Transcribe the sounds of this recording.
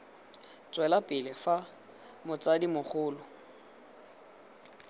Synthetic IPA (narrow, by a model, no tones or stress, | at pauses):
t͡swɛlapʼɪlɪfa | mʊt͡sʼadimʊχʰʊːlʊ